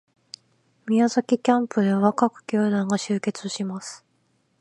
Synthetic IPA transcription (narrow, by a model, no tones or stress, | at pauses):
mʲiazakʲikʲãmpɯ̟d̪e̞βakakɯ̟̥kʲoːd̪ãŋɡaɕɨːke̞t͡sɨɕimasɨ̥